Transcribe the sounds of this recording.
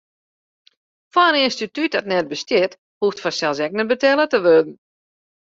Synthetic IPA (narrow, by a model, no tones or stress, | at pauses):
faənɪnstityt̚dɔtnɛt̚bəstjɪt | huftfɔsɛlˠsɛk̚nəbətɛlˠətəʋødn̩